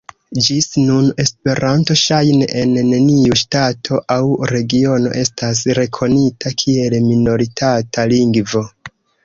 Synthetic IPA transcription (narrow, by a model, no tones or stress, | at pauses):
d͡ʒisnune̞spe̞ɾʔanto̞ʃajne̞ʔenːeniuʃtatʰo̞ʔawɾe̞ɡio̞no̞̰ʔe̞stas̬ɾe̞kʰo̞nitakʰie̞lmino̞ɾitʰatʰaliŋɡvo̞